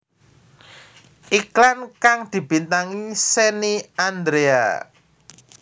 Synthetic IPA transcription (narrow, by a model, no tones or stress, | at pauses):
ʔiklankaŋd̪̥i̤b̥i̤nt̪aŋiseniand̪ɾea̰